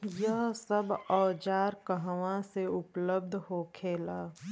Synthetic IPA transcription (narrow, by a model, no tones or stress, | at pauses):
jəɦsəbɔːd͡ʒaːɾkəɦʋãseʊpləb̚d̪ʱɦokʰeːlaː